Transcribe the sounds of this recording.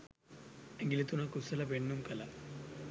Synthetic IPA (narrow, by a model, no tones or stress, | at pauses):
ɐŋɡilit̪unɐkusɐlɐpeɳːumkɐlɐ